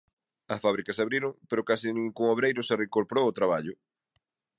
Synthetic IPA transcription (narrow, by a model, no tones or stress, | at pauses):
ɐsfaβ̞ɾikɐsaβɾiɾʊŋpeɾʊkasɪniŋkuŋoβɾejɾʊsereŋkoɾpoɾowʊt̪ɾaβaʎʊ